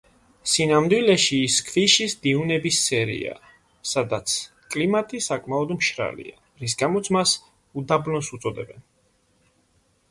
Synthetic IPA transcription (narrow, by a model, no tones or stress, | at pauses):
sinamd̪wilɛʃiːskʰviʃisd̪iunɛbisːɛɾḭa̰ | sad̪at̪sʰ | kʼlimat̪ʼisakʼmaɔd̪mʃɾa̰lḭa | ɾis̬ɡamɔt̪sʰmas | ud̪abnɔsut̪sʼɔd̪ɛbɛn